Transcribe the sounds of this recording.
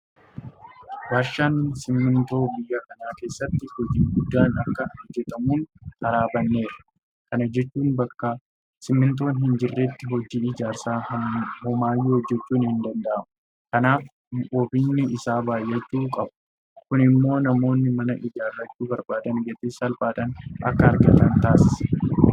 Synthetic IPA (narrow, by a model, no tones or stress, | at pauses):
waːʃːaːnsɪmːɪnt̪o̞ːbɪjːɐkɐnaːke̞ːsːɐt̪ːɪhɔd͡ʒiːɡʊd̪ːaːnɐkːɐd͡ʒɛt̪ɐmuːnhɐɾaːbɐnːe̞ːɾɐ̥ | kɐnɐd͡ʒɛt͡ʃːuːnbɐkːɐ | sɪmːɪnt̪̬o̞ːnɦɪnd͡ʒɪrːeːt̪ːɪɦɔd͡ʒiːɪd͡ʒaːɾsaːhɔmaːjːhɔd͡ʒːɛt͡ʃːuːnhɪnd̪ɐnd̪ɐʔɐmʊ | kɐnaːf | ʔoːbiːnːɪɪsaːbaːjːɛt͡ʃːuːkʼɐbʊ | kʊnɪmːo̞ːnɐmo̞ːnːɪmɐnɐʔɪd͡ʒaːrːɐt͡ʃːuːbɐɾbaːd̪ɐnɡɛt̪ɪsɐlbaːd̪ɐnʔɐ̰kːɐːɾɡɐt̪ɐnt̪aːsɐ̥